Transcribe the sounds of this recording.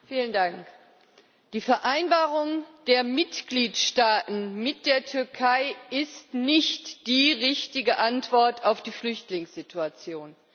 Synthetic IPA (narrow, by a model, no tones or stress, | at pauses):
fiːləndaŋk | d̥iːfɛɐʔaɪnbaːʁʊŋd̥eːɐmɪtɡ̥liːtʃtaːtn̩mɪt̚d̥eːɐtʰʏɐkʰaɪʔɪstnɪçtd̥iːʁɪçtɪɡəʔantv̥ɔɐtʰaʊfd̥iːflʏçtlɪŋsz̥ɪtʰuat͡sjoːn